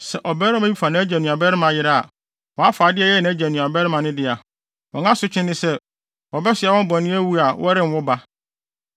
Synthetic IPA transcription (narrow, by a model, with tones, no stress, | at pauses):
sɛ˨ʔɔ˨bɛː˦ɾɪ˦mã˦i˦fa˨nã˦d͡ʑæ˨nũ˨a˨bɛ˦ɾɪ˦mã˨jɪ˦ɾa˦a̰˨ | wɔ̃˨a˦faː˨dɪ˦ɛ˦˨jɛ˦˨nã˨˦d͡ʑæ˨nũ˨a˨bɛ˦ɾɪ˦mã˨nʊ̃˦dɪ˦a˨ | wɔ̃˨ŋã˦sʊ˦t͡ɕʰɪ̃˦nːɪ̃˦sɛ˦ | wɔ˨bɛ˦sɪ˨a˨wɔ̃˦m˦bɔ̃˨nɪ̃˦æ˦wu˦a˨wʔɔ̰˦ɾɪ̃˦m˨˦wɔ˦ba˦